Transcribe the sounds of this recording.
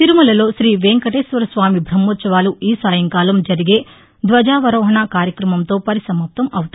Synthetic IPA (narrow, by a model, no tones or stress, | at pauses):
t̪iɾumulɐlo̞ːʃɾiːʋeːŋkɐʈeːsʋɐɾɐsʋaːmibʱɾɐmːoːt̪sɐʋaːluiːsaːjɐŋkaːlɐmd͡ʒɐɾiɡe̞ː | d̪ʋɐd͡ʒaːʋɐɾɔːɦɐɳaːkaːɾjɐkɾɐmɐmt̪o̞ːpɐɾisɐmɐp̚t̪ɐmɐwut̪